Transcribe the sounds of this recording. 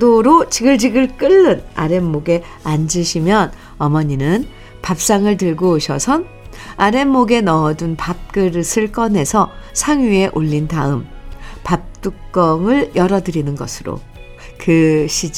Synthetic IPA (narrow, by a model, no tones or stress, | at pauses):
doɾot͡ɕiɡɯɭd͡ʑiɡɯɭk͈ɯɭːɯna̰ɾe̞mːoɡe̞ | and͡ʑɯɕʰimjʌn | ʌmʌɲinɯn | pap̚s͈aŋɯɭtɯɭɡoːɕʰʌsʰʌn | aɾe̞mːoɡe̞nʌːdunpap̚k͈ɯɾɯsʰɯɭk͈ʌne̞sʰʌsʰaŋie̞ʔoʎːintaɯmpap̚t͈uk̚k͈ʌŋɯɭjʌɾʌdɯɾinɯnɡʌ̰sʰɯɾo̰ | kɯɕʰi